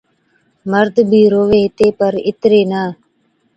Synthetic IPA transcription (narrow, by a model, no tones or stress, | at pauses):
məɾd̪bʱiːɾoːʋeːt̪eːpəɾɪt̪ɾeːnaː